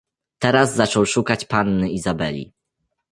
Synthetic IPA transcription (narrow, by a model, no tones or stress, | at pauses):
t̪ɛɾazzat͡ʂɔwʂukat͡ɕpanːɘizabɛlʲḭ